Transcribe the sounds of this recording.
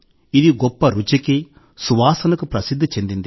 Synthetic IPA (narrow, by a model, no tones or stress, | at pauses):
id̪iɡɔpːɐɾut͡ʃɐki | suʋaːsɐnɐkupɾɐsid̪ʱːɐt͡ʃe̞nd̪ind̪i